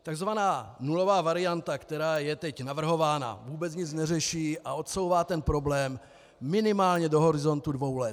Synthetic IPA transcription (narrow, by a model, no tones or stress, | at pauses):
t̪aɡzvanaːnulo̞vaːvaɾɪjant̪akt̪ɛɾaːjɛt̪ɛcnavr̩ɦo̞vaːna̰vuːbɛt͡sɲɪt͡snɛrɛʃiːʔao̞t̪so̞wvaːt̪ɛnpɾo̞blɛːmː | ɪnɪmaːlɲɛdo̞ɦo̞ɾɪzo̞nt̪udvo̞wlɛt̪